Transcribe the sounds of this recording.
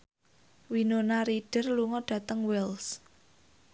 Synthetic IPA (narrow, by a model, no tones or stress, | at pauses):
winonaɾiɖ̥ə̤rluŋɔɖ̥ä̤t̪əŋwɛls